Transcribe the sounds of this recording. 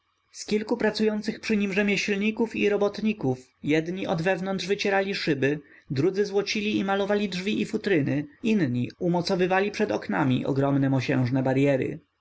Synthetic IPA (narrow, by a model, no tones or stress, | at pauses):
skʲilkupɾat̪sujɔnt̪sɘxpʂɘɲimʐɛmʲjeɕlɲikufiɾɔbɔt̪ɲikuf | jɛd̪ɲiʔɔd̪vɛvnɔnd̪ʐvɘt͡ɕɛɾalʲiʂɘbɘ | d̪ɾud̪zɘzwɔt͡ɕilʲiːmalɔvalʲidʐvʲiʔifut̪ɾɘnɘinɲiumɔt̪sɔvɘvalʲipʂɛd̪ɔknamʲḭʔɔ̰ɡɾɔmnɛmɔɕɛ̰̃w̃ʐnɛbaɾjɛɾɘ̰